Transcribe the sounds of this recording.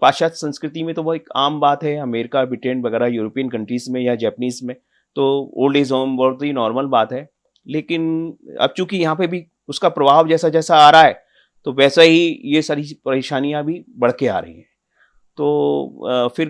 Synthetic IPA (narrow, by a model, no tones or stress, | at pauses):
paːʃaːt̪sɐ̃nskɾɪt̪imẽt̪oboeka̰ːmbaːt̪ɦɛɐmeːɾɪkabɪʈẽːɳʋɐɣɛːɾajuːɾoːpiːənkɐ̃ɳʈɾiːzmẽjad͡ʒɛːpəniːzmẽ | t̪oːo̰ːlɖeːzoːmbɔːt̪ɦinɔːɾməlbaːt̪ɦɛː | leːkɪnɐ̰b̚t͡ʃũːkijɐɦãp̬ebʱi | ʊskapɾɐbʱaːʋd͡ʒɛːsad͡ʒɛːsaaːɾaaɦɛː | t̪oʋɛːsaɦijesaːɾipɐɾeːʃaːnijãbʱibɐɽ̤kea̰ːɾɐ̰ɦḭ̃ɦɛ̃ː | t̪oː | fɪɾ